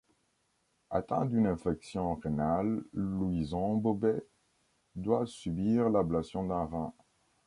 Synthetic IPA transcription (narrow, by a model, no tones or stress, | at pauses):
a̰t̪ɛ̰̃d̪ynɛ̃fɛksjɔ̃ʁenalːuizɔ̃bobɛ | d̪wasybiʁlablasjɔ̃d̪ɛ̃ʁɛ̃